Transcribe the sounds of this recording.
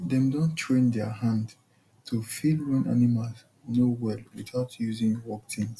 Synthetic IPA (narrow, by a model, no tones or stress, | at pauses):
dɛ̃mdõntʰɹẽndɛɦãnd | tʰufilwɛ̃nʔa̰nimalz | nowɛlwiθaʊtʰjuzĩŋwɔk̚tʰĩnz